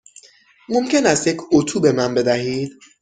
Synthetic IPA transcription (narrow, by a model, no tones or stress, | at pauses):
momcʰenæst̪jecʰot̪ʰuːbe̞mænbe̞d̪æɦiːd̪̥